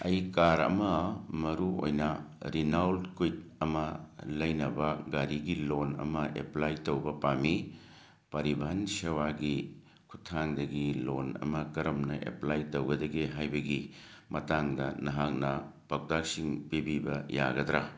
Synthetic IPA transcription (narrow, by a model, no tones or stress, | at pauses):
ɐjkaɾɐ̰mɐmɐɾuo̰jnɐɾinawlkujt̚ɐmɐlɐjnɐbɐɡaɾiɡilonɐ̰mɐʔḛplajtowbɐpami | pɐɾibʱansewaɡi | kʰutʰːaŋdɐɡilonɐ̰mɐkɐɾɐmnɐʔḛplajtowɡɐdɐɡeɦajbɐɡi | mɐtaŋdɐnɐɦak̚nɐpɐk̚dak̚siŋpibibɐja̰ɡɐd̪ɾa